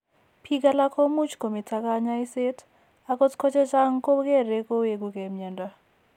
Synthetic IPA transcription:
pʰi˦ka˦la˦kʰɔ˦mu˦t͡ʃko˨me˨tʰa˦ka˦ɲa˦i˦se˦t | a˨kɔ˦tkʰɔ˦t͡ʃɛ˦t͡ʃa˦ŋko˦kɛ˦˨ɾe˦ko˦wje˨k̬u˨kɛ˨mɛ˨nda˦˨

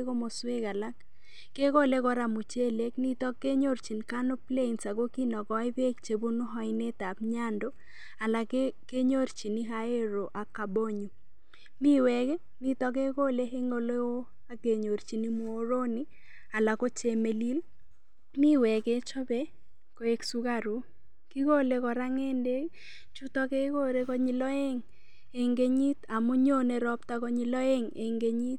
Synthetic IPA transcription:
ko˦mo˨swe˦ɡa˨la˦k | ke˦ko˦le˦kɔ˦ɾa˨mu˨t͡ʃe˦le˦kni˦t̪ɔ˦kːe˦ɲo˦ɾt͡ʃi˨nka˦no˦ple˦i˨nsa˨ɡo˦ki˦nɔ˨ɡɔ˨˦ɪ˦be˦kt͡ʃe˨bu˦nʊ˦ɦɔ˦ɪne˦t̪a˨bɲa˦ndo˦ | a˨la˨ke˦ke˦ɲo˦ɾt͡ʃi˨ni˦ɦa˦e˦ɾo˨ʔa˨ka˨bo˦ɲu˨ | mi˦wɛ˨k | ni˦t̪ɔ˦ke˦ko˦le˦ɦe˦ŋo˦le˦wo˦ | a˦ɡe˨ɲo˨ɾt͡ʃi˨ni˦mo˦ɾo˦ni˦ | a˨la˨ko˦t͡ʃe˨me˨li˦l | mi˦wɛ˨ɡe˦t͡ʃɔ˦bɛ˦ | ko˨e˦ksu˦ɡa˦˨ɾu˦ | ki˦ɡo˦le˨˦kɔ˨ɾa˦ŋe˦nde˦ | t͡ʃu˦t̪ɔ˦ke˦ko˦ɾe˦kɔ˦ɲi˨lɔ˦e˦ŋ | e˨ŋɡe˦ɲi˦t̪a˨mu˦ɲo˦ne˨ɾɔ˦pt̪a˦kɔ˦ɲi˨lɔ˦e˦ŋḛ˨ŋɡe˦ɲi˦t̪̚

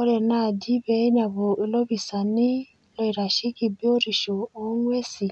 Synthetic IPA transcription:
ɔ˧ɾɛ˨na˦˨di˦bɛ˧˨i˦na˨bo˨i˧lo˦bi˨sa˨ni˦ | lɔ˧i˨ɾa˨ʃi˦ki˦˧bi˦o˦ɾi˨ʃo˨o˦ŋʷ˦ɛ˦si˨

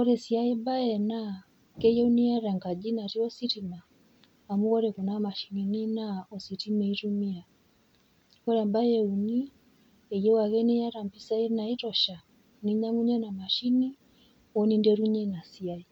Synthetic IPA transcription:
kɔ˦ɾɛ˨si˨a˦i˦ba˦jɛ˨na˦ | kɛ˦jɛ˦u˦ni˦ja˦ɾa˨ŋka˨d͡ʒi˦na˨ɾi˦ɔ˦si˦ti˨maː˨ | mu˦ɣɔ˦ɾɛ˨ku˨na˦ma˨ʃi˨ni˨ni˦na˦ɔ˨si˨ti˦mɛ˨i˦ɾu˦mi˦a˨ | kɔ˦ɾa˨mba˦jɛ˦u˨ni˦ | ɛ˨jɛ˦wa˨ɣɛ˦ni˦ja˦ɾa˨mpi˦sa˦i˦na˨i˦tɔ˨ʃa˨ | ni˦ɲa˦ŋu˦ɲɛ˦na˨ma˨ʃi˦ni˦ | ɔ˦ni˦ndɛɾu˦ɲɛ˦na˨si˨a˦i˨

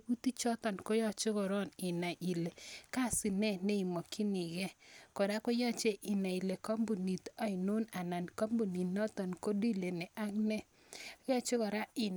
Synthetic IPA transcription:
bu˦t̪i˦t͡ʃɔ˦t̪ɔ˨nkɔ˦jɔ˦t͡ʃʊ˦ɡɔ˨ɾɔ˦nɪ˨na˨ʔi˨le˨ka˦˨sɪ˨nɛ˦ne˦i˨mɔ˨kʰi˦nɪ˨ɡɛ˦kɔ˨da˦kɔ˦jɔ˦t͡ʃe˦ʔɪ˨na˨i˨le˨kɔ˦mbu˨ni˨t̪ɔ˦ɪ˨no˦na˨na˨nkɔ˦mbu˨ni˨nɔ˦t̪ɔ˨nko˦di˦le˨nɛ˨ʔa˦ŋnɛ˦ | jɔ˦t͡ʃʊ˦kɔ˨ɾa˦ɪ˨n

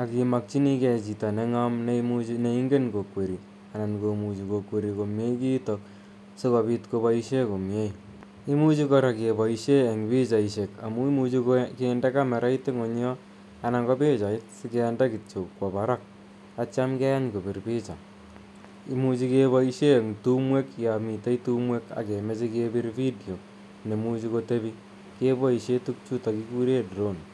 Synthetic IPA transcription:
a˨ki˨ma˨k̚t͡ʃi˦ni˦kɛ˨t͡ʃi˨ta˨ne˦ŋa˦mnemut͡ʃinei˦ŋɡe˦nko˨kwe˨ɾi˨ | a˨na˨nko˨mu˨t͡ʃi˨ko˨kwe˨ɾiko˨mje˦iki˦tok̚ | se˦ko˨pi˦tko˧βaiʃe˦ko˨mje˦j | i˦mu˦t͡ʃikɔɾa˨ke˨ba˨iʃe˦e˨ŋbi˦t͡ʃa˨iʃe˨ka̰˨mu˦i˦mut͡ʃikkenda˦ka˦me˨ɾʔa˦ite˦ŋo˨ɲ˦ɔ˦ | a˨na˨ŋɡɔ˦pe˦t͡ʃa˨i˦tsɪ˦ke˨˦nda˦ki˨t͡ʃo˨kwɔ˨ba˦ɾa˦k̚ | a˦t͡ʃa˦mkɛ˦ja˦nko˨bi˨ɾpi˦t͡ʃa̰˨ | i˦mu˦t͡ʃi˦ke˦βɔ˦i˦ʃe˦˨ŋtu˦mwe˦kja˨mi˨te˦itu˦mwe˦ka̰˨ke˨me˦t͡ʃi˦ke˦bi˦ɾfi˦do˨ | ne˨mu˦t͡ʃi˦ko˦te˦βi˦ | ke˦bɔ˦i˨ʃe˦tu˦k̚t͡ʃu˦ta˨ki˦ku˦ɾe˦dɾo˦˨n

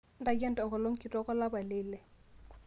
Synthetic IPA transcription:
n˦da˨ɡɛ˦ntɔ˨ŋɡɔ˨lo˦ŋ̩˦kɪ˨tɔ˦kɔ˦la˦ba˨lɪ˦lɛ˨

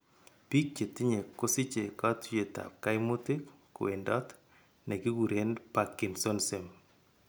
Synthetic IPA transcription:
pi˦k̚t͡ʃe˨ti˦ɲe˨ko˦sɪ˦t͡ʃe˨kɔ˦tje˨ta̰˨p̚ka˦jɪmʊ˦ti˦k | kʊ̰˨wḛ˨ndɔt | ne˨ki˦ɡu˨ɾenpakːɪ˨nso˦nse˨m

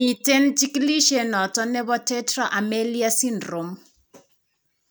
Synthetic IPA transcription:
i˨te˦nt͡ʃi˦kili˦ʃe˨nɔ˨tɔ˦nɛ˦βɔ˦tɛ˦trɔ˦ʔa˨me˦li˦a˦si˦ndro˨m

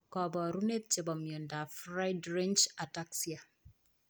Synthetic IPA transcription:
kɔ˨bɔ˨ɾu˦ne˦t̪̚t͡ʃe˨bɔ˨mjo˨nda˨fɾa˦jdɾe˦nt͡ʃa˨ta˦ksi˦a˨

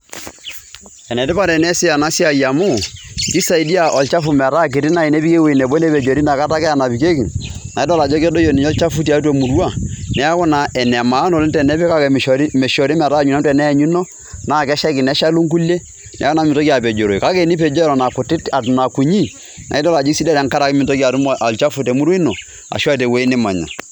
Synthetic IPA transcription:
ɛ˨nɛ˨dɪ˦pa˦ɾɛ˨nɛ˦sɪ˦a˨na˦si˦a˨ja˨mʊ˦ki˦sa˨i˨di˦a˨ʔɔ˨lt͡ʃa˦fu˨mɛ˨ɾa˦˨k̬ɪ˨tɪ˦na˦˨i˨nɛ˦pi˦ke˦we˨nɛ˨bo˦nɛ˦pɛ˨d͡ʒo˨ɾi˦na˨ka˦ta˦kɛ˦a˦˨na˨pi˨ke˦ki˨na˨i˦dɔ˦˨la˨d͡ʒɔ˦kɛ˦do˦jo˨ni˨ɔ˦lt͡ʃa˦fu˦t̬i˨a˨˦t̬e˨mu˨ɾwa˦˨nɛ˨˦kʊ˦na˨ɛ˨nɛ˨ma˨˦no˨lntɛ˨nɛ˦pɪ˦ka˦kɛ˨ʃɔ˨ɾi˦mɛ˨ʃɔ˨ɾi˦mɛ˨ɾa˦ɲu˨na˦n˦tɛ˨nɛ˦˨ɲu˦nɔ˦ | na˦˨kɛ˦ʃa˦kɪ˨nɛ˨˦ʃa˦lu˦ŋk̬u˦le˦ | nɛ̰˨˦kɔ˦na˦mɪ˨to˦ki˦a˨pɛ˨d͡ʒo˨ɾo˨i˨ka˦ke˨˦ni˦pɛ˨d͡ʒɔ˦ɾɔ˨na˨kʊ˨tɪ˦ta˨na˨ku˨ɲi˦ | nʔa̰˨i˦dɔ˦la˨d͡ʒi˦si˦da˦ɾa˨ŋ˦ka˦ɾa˨kmɪ˨to˦ki˦a˨tu˦m˨ʔa˨lt͡ʃa˦fu˨tɛ˨mu˦ɾwe˦i˦no˨ | a̰˨ʃa˦˨te˨we˦i˦nɪ˦ma̰˨ɲa̰˨

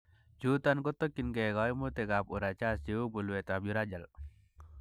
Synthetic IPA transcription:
d͡ʒu˦t̪a˦nkɔ˦t̪ːɔ˦kːi˨nɡɛ˨ɡɔjmu˦t̪e˨ɡapu˨ɾa˨t͡ʃa˦st͡ʃewo˦bu˨lwɛt̪abju˦ɾad͡ʒa˨l

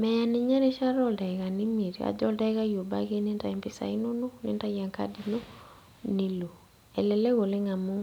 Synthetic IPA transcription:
mɛ˨ja˨ni˨ɲɛ˦ɾe˦ʃa˦ɾɔ˦˨dɛ˨ɣa˨ni˦mi˨ɾi˨a̰˨d͡ʒɔ˦dɛ˦ɣa˦jo˨ba˦ɣe˦ne˦nta˨ɛ˨mpi˨sa̰˨i˦no˦no˦nḛ˦nta˦ja˨ŋka̰di˦no˦ | ni˦lo˨ | ɛ˨lɛ˨lɛ˦ɣo˨le˦ŋa˨mu˦

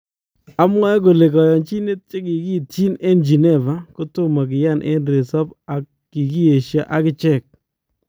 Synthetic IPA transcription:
a˦m˦ɛ˦ko˨le˨kɔ˨jɔ˨nt͡ʃi˦ne˦t̚t͡ʃe˦ki˨ki˦tt͡ʃi˦ne˦nd͡ʒi˨ne˦˨va˨kʊ˦tʊ˦ma˨k̬ɪ˨ja˦˨nʔḛ˦nɾe˨sɔ˦pa˨kː | i˨ki˦e˨ʃja˦ʔa˦kɪ˦t͡ʃɛ˦˨k̚

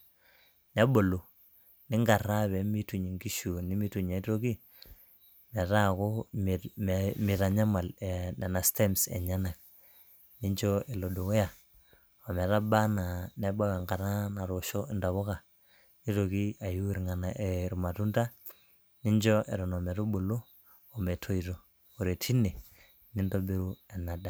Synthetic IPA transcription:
nɛ˦bo˨lu˨ | nɪ˦ŋɡa˨ɾa˦βɛ˨˦mi˦tu˨ɲi˨ŋɡi˦ʃu˨ni˦mi˦tu˨ɲa˨i˦to˦ki˦ | mɛ˨ta˦˨ko˦m˨mmi˨ta˨ɲa˦ma˨lɛ˨nɛ˨na˨ste˦msɛ̰˨ɲa˦na˨k̚ | ni˦ɲd͡ʒɔ˦e˨lo˨du˨ke˦ja˨ | ɔ˨mɛ˨ta˦ba˦na˨ne˦ba˦wɛ˨ŋɡa˨ɾa˦na˨ɾo˨ʃɔ˦ɪ˨nda˨βo˦ka˨ | ni˦to˨ki˦a˨ju˦ɾŋa˨na˨e˨ɾu˨ma˨tu˦nda˦ | ni˦ɲd͡ʒɔ˦ʔḛ˨ɾɔ˨nɔ˨mɛ˨ɾo˦bo˨loː˦˨ | me˨tʰo˦i˨to˨ | o˨ɾe˨tʰi˦ne˨ | ni˦ndo˦be˦ɾu˦ɛ˨na˨da˨

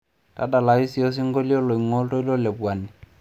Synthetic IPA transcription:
ta˦da˨la˨i˦si˨˦ɔ˦s̬ɪ˦ŋ˦ɡo˦li˦ɔ˦lɔ˨i˨ŋɔ˦ltɔ˦i˦lɔ˦le˨bwa˨ni˨

